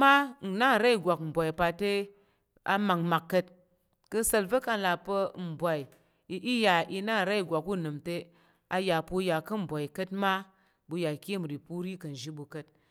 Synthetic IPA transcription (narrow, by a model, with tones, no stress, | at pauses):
ma˦n̩˨na˦˨ɾa˦i˨ɡʷa˨km̩˨bʷa˨i˨pa˧te˦ | a̰˨ma˨ŋma˨kːə˧t̚ | kə˧sə˧lvə˦ka˧˨la˨pə˧˦m̩˨bʷa˨i˨˦ | i˦ja˨i˧na˦˨ɾa˦i˨ɡʷa˨ku˦˨nɨ˨mte˦ | a˧ja˨pu˧ja˨kə˦m̩˨bʷa˨i˨kə˦tma˦ | bu˧ja˨ki˦˨m˨ɾi˨pu˦ɾi˦kə˨n̩˨ʒi˦bu˧kə˦t̚